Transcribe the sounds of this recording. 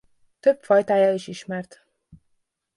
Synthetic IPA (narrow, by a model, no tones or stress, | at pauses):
t̪ø̞pfɒjt̪aːjaːiʃiʃmɛrt̪